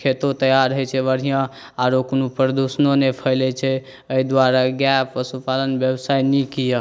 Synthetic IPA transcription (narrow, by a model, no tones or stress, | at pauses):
kʰet̪ot̪əjaɾəɦɛt͡ʃʰɛʋəɾ̤ijã | aɾoknupəɾd̪usnonepʰəlɛt͡ʃʰɛ | əid̪waɾaɡjapəsupalənbjəbsajnikijə